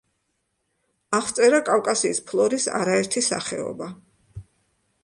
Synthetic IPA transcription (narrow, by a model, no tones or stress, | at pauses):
aχt̪sʼɛɾakʼavkʼasiːspʰlˠɔɾisa̰ɾaɛɾt̪ʰisa̰χɛ̰ɔ̰ba